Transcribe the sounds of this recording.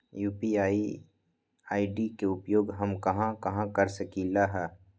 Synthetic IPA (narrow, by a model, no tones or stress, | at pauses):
juːpiaːi | aːiɖikeʊpjoːɡɦɐmkɐɦãkɐɦãkɐɾsəkilaɦɛː